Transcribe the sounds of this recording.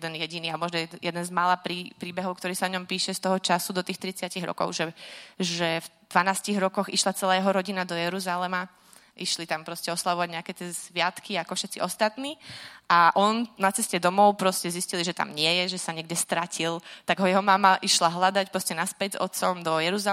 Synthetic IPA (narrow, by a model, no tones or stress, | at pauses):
jɛd̪ɛnjɛɟiniːamɔʒnɔjɛjɛd̪ɛnzmaːlapɾiːpɾiːbɛɦɔʊkt̪ɔɾiːsaɔɲɔmpiːʃɛst̪ɔɦɔt͡ʃasud̪ɔt̪iːxt̪ɾit͡sɪaciɣɾɔ̰kɔ̰ʊʒɛʒɛvd̪̥ʋanaːsciɣɾɔkɔɣiʃlat͡sɛlaːjɛɦɔɾɔɟinad̪ɔjɛɾuzalɛma | ʔiʃlit̪ampɾɔscɛɔslaʋɔʋaɟɲɛakɛːt̪ɪɛsʋɪat̪kʰiakɔfʃɛt̪t͡siʔɔst̪at̪niːʔaʔɔnnat͡sɛscɛd̪ɔmɔʊpɾɔscɛzisciliʒɛt̪a̰mɲɪɛjɛʒɛsaɲɛɡɟɛst̪ɾacʰilt̪aɡɦɔjɛɦɔmamaʔiʃlaɦlad̪acpɾɔscɛnaspɛɟzɔ̰t̪sɔmd̪ɔjɛɾuza